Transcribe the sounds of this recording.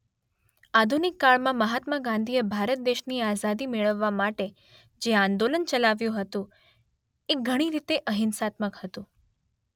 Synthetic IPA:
ad̪ʱunɪkːaɭmãməɦat̪maɡãnd̪ʱijebʱaɾət̪̚d̪eʃniazad̪imeɭəʋːamaʈe | d͡ʒeãnd̪olənt͡ʃəlaʋjũɦət̪ũ | ek̚ɡʱəɽ̃iɾit̪eʔəɦɪnsat̪məkhət̪ũ

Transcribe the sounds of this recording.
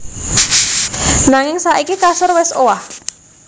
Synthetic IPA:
naŋɪŋsaʔikikasʊrwɛsowah

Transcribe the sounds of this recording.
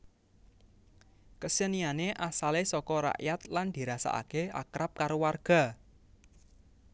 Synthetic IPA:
kəsənianeʔasalesɔkɔɾa̰ʔjat̪land̪̥i̤ɾasa̰ʔa̰kea̰kɾap̚kaɾowarɡ̥a̤

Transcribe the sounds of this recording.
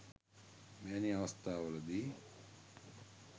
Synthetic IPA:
meːniɐʋɐst̪ʰaːʋələd̪iː

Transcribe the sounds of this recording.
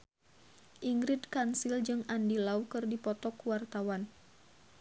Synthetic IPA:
ʔiŋɡɾid̪̚kansild͡ʒɨŋandilaukɨrdipɔt̪ɔkuwart̪awan

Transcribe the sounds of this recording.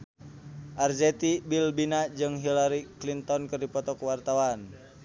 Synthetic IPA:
ʔard͡ʒɛt̪ibilbinad͡ʒɨŋɦilaɾiklint̪ɔnkɨrdipɔt̪ɔkuwart̪awan

